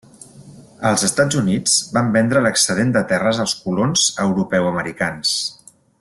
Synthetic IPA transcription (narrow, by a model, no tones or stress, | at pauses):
əlˠzəst̪ad͡zunid͡zbambɛnd̪ɾələksəðend̪ət̪ɛrəzəlˠskulonz̥əwɾupɛwəməɾikans